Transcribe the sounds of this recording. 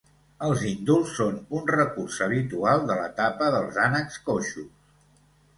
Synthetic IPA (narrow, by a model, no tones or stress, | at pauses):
əlˠzind̪ulˠsːonunrəkurzəβit̪ualˠd̪ələ̰t̪apəðəlˠzanəkskoʃus